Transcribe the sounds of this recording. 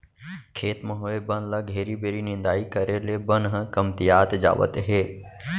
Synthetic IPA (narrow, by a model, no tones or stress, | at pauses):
kʰeːt̪mə̃ɦoːebənlɐɡʱeːɾibeːɾinɪ̃nd̪aːikəɾelebənɦə̃kəmt̪ɪjaːt̪d͡ʒa̰ːʋə̰t̪ɦeː